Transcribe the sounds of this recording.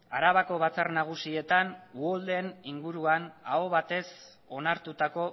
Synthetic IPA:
aɾaβako̞βat͡sarnaɣ̞usie̞t̪anuold̪e̞niŋɡuɾuanaoβat̪e̞s | o̞naɾt̪ut̪ako̞

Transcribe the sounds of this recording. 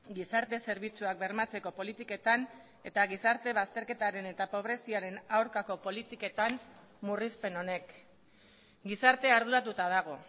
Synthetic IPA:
ɡisaɾt̪e̞se̞ɾβ̞it͡suak̚be̞ɾmat͡se̞ko̞po̞lit̪ike̞t̪an | e̞t̪aɣisaɾt̪e̞βast̪e̞ɾke̞t̪aɾe̞ne̞t̪apo̞β̞ɾe̞siaɾe̞nawɾkako̞po̞lit̪ike̞t̪am | murispe̞no̞ne̞k | ɡisaɾt̪e̞aɾð̞uɾat̪ut̪að̞aɣ̞o̞

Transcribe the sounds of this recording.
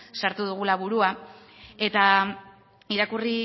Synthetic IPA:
saɾt̪uðuɣ̞ulaβuɾua | e̞t̪a | iɾakuri

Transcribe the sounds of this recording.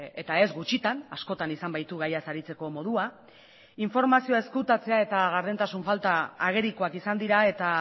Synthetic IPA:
e̞t̪ae̞zɡut͡ʃit̪anasko̞t̪anisambajt̪uɣajasaɾit͡se̞ko̞mo̞ð̞ua | iɱfo̞ɾmasioae̞skut̪at͡se̞ae̞t̪aɣaɾð̞ent̪asuɱfalt̪aːɣe̞ɾiko̞akisand̪iɾae̞t̪a

